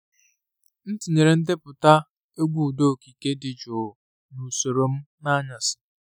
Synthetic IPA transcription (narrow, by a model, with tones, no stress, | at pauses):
n̩˦ti˨ne˨ɾe˨n̩˦de˦pʊ˨ta˦ | e˦ɡʷu˦˨do˦˨ki˨ke˦dɪ˨d͡ʒo˨ | nu˨so˨ɾo˨m̩˦na˦ɲa˨sɪ̥˨